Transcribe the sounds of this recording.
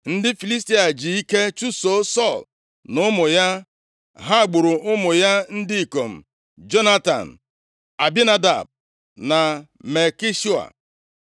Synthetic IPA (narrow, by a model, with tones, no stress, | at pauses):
n̩˦dɪ˦fi˨li˦s̬ti˦a˨d͡ʒi˨i˦ke˦t͡ʃu˦so˦sɔ˦˨l | nʊ˦mʊ˨ja˦ | ɦa˦˨ɡ͡bʊ˨ɾʊ˨ʊ˦mʊ˨ja˦n̩˦dɪ˦i˨ko˨m̩˨ | d͡ʒo˦na˦ta̰˨n̩˨ | a˨bi˦na˦da̰˨b̚ | na˨ | me˨ki˦ʃu˦a̰˨